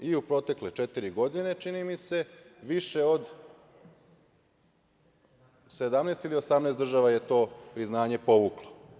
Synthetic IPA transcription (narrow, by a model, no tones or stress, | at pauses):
iupɾo̞t̪e̞klet͡ʃet̪iɾiɡo̞d̪ine̞t͡ʃinimise̞ʋiʃe̞od̪ | sed̪amnest̪ilio̞samneːsd̪r̩ʒaʋaje̞t̪o̞ːpɾiznaːɲe̞po̞ʋuklˠo̥